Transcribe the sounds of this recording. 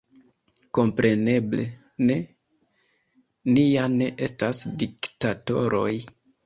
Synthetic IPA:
ko̞mpɾe̞ne̞ble̞ | ne̞ | nijane̞ʔe̞stasdiktato̞ɾʔo̞j

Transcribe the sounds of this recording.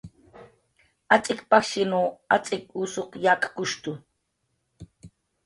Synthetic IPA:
at͡sʼɪkpakʃɪnuːat͡sʼɪkusoqjaːkḁkʊʃt̪ʊ

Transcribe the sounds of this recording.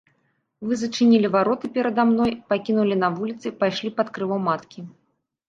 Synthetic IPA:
vɨzɐt͡ʂɨnʲilʲivaɾɔt̪ɨpʲɛɾɐd̪amnɔjpakʲinulʲinɐvulʲit̪sɨpajʂlʲipɐt̪kɾɨvɔwmat̪kʲi

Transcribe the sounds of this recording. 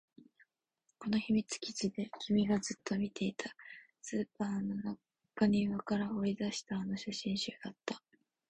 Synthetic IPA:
ko̞no̞çimʲit͡sɨ̥kʲi̥t͡ɕid̪e̞kʲʰimʲiɡazɨt̪ːo̞mʲit̪ʰe̞it̪ʰa | sɨːpaːnona | kːaɲ̟iβakaɾao̞id̪aɕi̥t̪aːnoɕaɕĩɰ̃ɕɨːd̪at̪ːḁ

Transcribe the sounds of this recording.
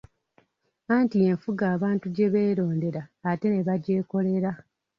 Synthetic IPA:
aːntie̞ɱfuɡaːβaːntuɟe̞βe̞ːɾo̞ːnde̞ɾaːte̞ne̞βaɟe̞ːko̞le̞ɾa

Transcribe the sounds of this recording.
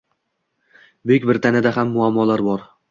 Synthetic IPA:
bekʲbɪɾt̪ʰanɪd̪aɦamːʊamːɒlaɾbɒɾ

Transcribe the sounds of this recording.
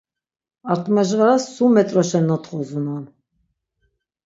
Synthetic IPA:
aɾt̪ʼmɛʒʁaɾasːumɛt̪ʼɾɔʃɛnːɔt̪ʰʼχɔzunan

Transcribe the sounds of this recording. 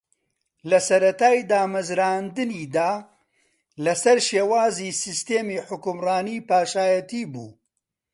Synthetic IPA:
lɐsɐɾɐt̪aːjd̪aːmɐzɾaːnd̪ɨniːd̪aː | lɐsɐɾʃeːwaːziːsist̪eːmiːħʊkʊmraːniːpaːʃaːjɐt̪iːbṵː

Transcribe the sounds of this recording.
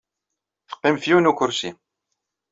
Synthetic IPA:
θə̥qːimfjunukʊɾsi

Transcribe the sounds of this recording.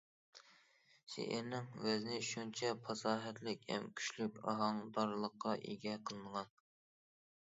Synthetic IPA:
ʃḛʔɪ̰ɾnɪŋvæznɪʃunt͡ʃʰɛpʰɑsɑːɦɛt̪lɪkʲhɛ̰mkʲʰy̥ʃlykʲɑ̰ɦɑŋd̪ɑɾlˠəqːɑʔḛɡʲɛqʰəlˠɨnəʁɑn

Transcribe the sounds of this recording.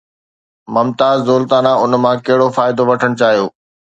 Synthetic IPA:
mʊmt̪aːzzoːlt̪aːnãʊnmãkɐɦɪɽofaːɪd̪oʋɐʈʰəɽ̃t͡ɕaːɦijoː

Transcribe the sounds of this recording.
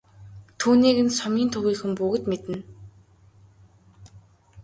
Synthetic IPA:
t̪ʰuːniːɣɘ̆nsɔmʲiːnt̪ʰɵɣiːxɘ̆mpuɣɘ̆t̪met̪ɘ̆n

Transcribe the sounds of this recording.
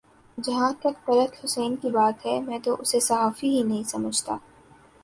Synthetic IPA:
d͡ʒɐɦãt̪ɐkpɐɾət̪hʊsɛːnkibaːt̪ɦɛmɛ̃t̪oʔʊsesɐɦaːfiɦinɐɦĩsɐməd͡ʒʱt̪a̰ː

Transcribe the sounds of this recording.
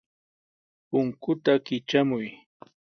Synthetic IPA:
pʊŋkʊt̪akɪt͡ʃamʊj

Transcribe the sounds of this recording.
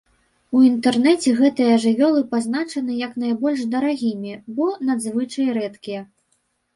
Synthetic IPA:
uint̪ɛrnɛt͡sʲɛɣɛt̪ɨjɐʐɨvʲɔlˠɨpaznat͡ʂɐnɨjɐknajbɔlʲʂd̪ɐɾaɣʲimʲibɔnad̪zvɨt͡ʂɐjɾɛt̪kʲijɐ

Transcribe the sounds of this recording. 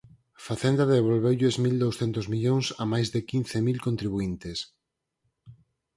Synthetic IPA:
faθend̪aðeβolβewʎezmild̪owsθɛnt̪ozmiʎoŋsamajzðɪkinθemilkont̪ɾiβuint̪es

